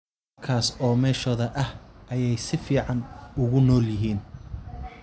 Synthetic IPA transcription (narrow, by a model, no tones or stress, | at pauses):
ɐkʰaːsɔːmɛːʃɔːðɐʔɐhʔɐjɛjsɪfiːʕɑnʊɣʊnɔːljɪɦiːn